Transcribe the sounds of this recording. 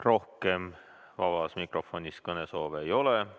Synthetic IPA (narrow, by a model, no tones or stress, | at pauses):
ro̞hke̞m | vɑvɑsmikro̞fo̞nʲiskɤne̞so̞ːveːjo̞le